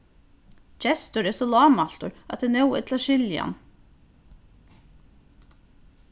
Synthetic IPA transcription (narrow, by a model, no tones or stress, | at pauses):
d͡ʒɛst̪ʊɾeːsoːlɑːmɑlt̪ʊɾʔɑt̪̚dɛnɛwɛ̰t̪ʰlɑʃɪljɑ̰n